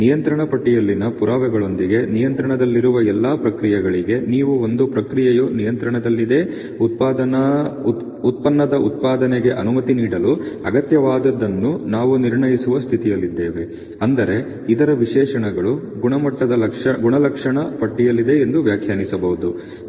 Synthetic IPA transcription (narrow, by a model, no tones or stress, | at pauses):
nijɐnt̪ɾɐɳɐpɐʈːijɐlːinɐpuɾaːʋɛɡɐɭo̞nd̪iɡe̞nijɐnt̪ɾɐɳɐd̪ɐlːiɾuʋɐɛlːaːpɾɐkɾijɛɡɐɭiɡe̞niːʋuo̞nd̪upɾɐkɾijɛjunijɐnt̪ɾɐɳɐd̪ɐlːid̪e̞ | ut̪̚paːd̪ɐ | ut̪̚pɐnːɐd̪ɐut̪̚paːd̪ɐneɡe̞ʔɐnumɐt̪iniːɽɐluɐɡɐt̪jɐʋaːd̪ɐd̪ɐnːunaːʋuniɾɳɐjisuʋɐst̪ʰit̪ijɐlːid̪ːeːʋe̞ | ɐnd̪ɐɾe̞ | id̪ɐɾɐʋiʂɛːʂɐɳɛɡɐɭu | ɡuɳɐmɐʈːɐd̪ɐɐkʂɐɡuɳɐlɐkʂɐɳɐpɐʈːijɐlːid̪e̞end̪uʋjaːkʰjaːnisɐbɐɦud̪u